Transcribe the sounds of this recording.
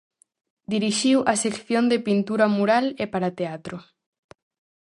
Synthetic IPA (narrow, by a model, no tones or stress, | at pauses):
d̪iɾiʃiwʔɐsekθjond̪epint̪uɾamuɾalepaɾat̪eat̪ɾo